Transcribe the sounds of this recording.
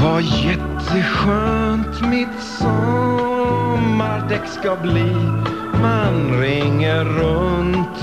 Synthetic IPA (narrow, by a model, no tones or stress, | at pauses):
vajɛt̪ʰːəɧøːnt̪mɪt̪sɔ | mːaɾd̪ɛkskɑbliː | manɾɪŋːəɾɵnt̪